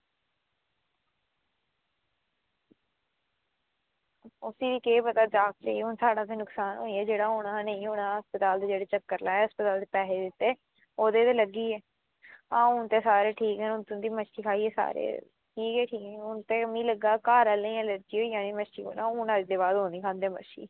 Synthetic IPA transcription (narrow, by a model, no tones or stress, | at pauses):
ʊsiːd̪iːkeːpət̪aːd͡ʒaːk̚t͡ʃeiːɦʊnsaːɽãːt̪eːnʊksaːnɦoːiɛːd͡ʒeːɽaːɦoːɽãːnə̃ĩːɦoːɽ̃ãːɦəspət̪aːld̪eːd͡ʒeːɽeːt͡ʃəkːəɾlaːɛːɦəspət̪aːld̪eːpɛːɦeːd̪ɪt̪ːeː | oːd̪eːt̪eːləɡiːɛː | ãːʊnt̪eːsaːɾeːʈʰiːkɦɛːnʊnt̪ʊnd̪iːməʃiːkʰaːiːɛːsa̰ːɾḛː | ʈʰiːkɦɛːʈʰiːkɦɛʊnt̪ẽːmĩːləɡːaːkaːɾəːləĩːələɾd͡ʒiːɦoːiːjãːniːməʃiːɦo̰ːnaːuːnat͡ʃd̪eːbaːd̪ɦõːnd̪iːkʰãːnd̪eɛːməʃḭː